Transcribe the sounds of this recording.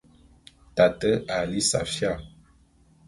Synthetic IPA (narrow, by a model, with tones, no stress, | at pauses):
ta˨tə˦a˨li˦sa̰˨fja˦˨